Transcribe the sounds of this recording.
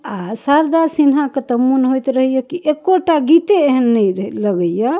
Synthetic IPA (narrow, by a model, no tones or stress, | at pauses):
asaɾd̪aɾsinɦaket̪əmːunɦojt̪ɾəɦijəkiʔekːoʈaɡit̪eeɦənːɛjləɡəjə